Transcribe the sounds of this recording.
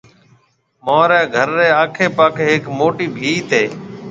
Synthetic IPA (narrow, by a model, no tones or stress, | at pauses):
mãːɾɛːɡʱəɾːeːaːkʰeːpaːkʰeːɦɪkmoːʈiːbʱiːt̪eː